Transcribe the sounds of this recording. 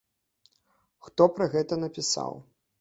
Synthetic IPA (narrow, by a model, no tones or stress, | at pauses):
xt̪ɔpɾɐɣɛt̪ɐn̪ɐpʲisa̰w